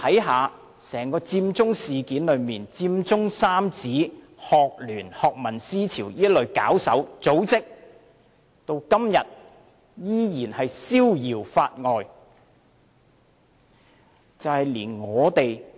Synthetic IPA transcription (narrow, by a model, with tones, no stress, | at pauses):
ɐ˨˥jɦaː˨˧ | sɛː˨˩ŋkɔː˧t͡siː˧mt͡sʊ˥ŋsiː˨kiː˨˥nlɵ˨˧ɥmiː˨nt͡siː˧mt͡sʊ˥ŋsaː˥mt͡siː˨˥ | hɔː˨k̚lyː˨˩nhɔː˨k̚mɐ˨˩nsiː˥t͡sʰiː˨˩wiː˥lɵ˨ɥkaː˨˥wsɐ̰˨˥wt͡so˨˥wt͡sɪ˥k̚ | t̪o˧wkɐ˥mjɐ˨t̚ | jiː˥jiː˨˩nhɐ˨jsiː˥wjiː˨˩wfaː˧t̚ŋɔː˨˧j | t͡sɐ˨whɐ˨jliː˨˩nŋɔː˨˧t̪e˨j